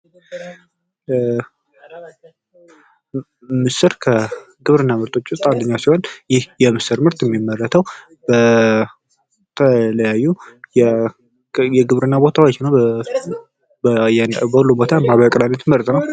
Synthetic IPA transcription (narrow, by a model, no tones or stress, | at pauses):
mɨsɨɾkʰə | ɡɨβɾɨnːamɨɾt̪ʼʰot͡ʃːʊst̪ʼand̪əɲːasiho̞njɪhjɛmɨsɨɾmɨɾt̪ʰʼjɛmːimːərːət̪ʰəw | bə | t̪ʰələjajːujɛ | jɛɡɨβɾɨnːabo̞t̪ʰawot͡ʃːnə | bjɛbəhulːubo̞t̪ʰamaβəkʼlanːət̪ʰməɾt̪ʼnəw